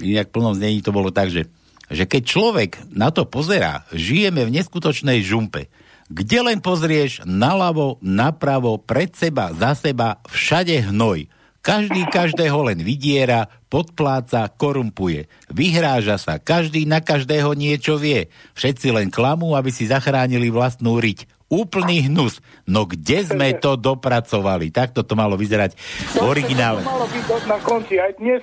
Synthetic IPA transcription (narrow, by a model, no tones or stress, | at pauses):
inakfpl̩nɔmzɲɛɲiːt̪ɔbɔlɔt̪aɡʒɛ | ʒɛkɛc̚t͡ʃlɔʋɛɡnat̪ɔpɔzɛɾa̰ːʒijɛmɛvɲɛskut̪ɔt͡ʃnɛjʒumpɛ̰ | ɡɟɛlɛnpɔzɾɪɛʒnalaʋɔnapɾaʋɔpɾɛt̪sɛbazasɛbafʃaɟɛɦnɔj | kaʒd̪iːkaʒd̪ɛːɦɔlɛnʋiɟɪɛɾa | pɔt̪̚plaːt͡sakɔɾumpujɛ̰ | ʋiɦɾaːʒasa̰kaʒd̪iːnakaʒd̪ɛːɦɔɲɪɛt͡ʃɔʋɪɛfʃɛt̪t͡silɛnklamuːabisizaxɾaːɲiliʋlast̪nuːɾic | uːpl̩niːɦnusnɔɡɟɛzmɛt̪ɔd̪ɔpɾat͡sɔʋalḭt̪ak̚t̪ɔt̪ɔmalɔʋizɛɾaɟvɔɾiɡinaːlalɔbiɔdnakɔnt͡siajd̪ɲɛ